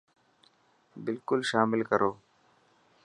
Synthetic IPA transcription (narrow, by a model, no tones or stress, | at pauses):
bɪlkʊlʃaːmɪlkəɾʔoː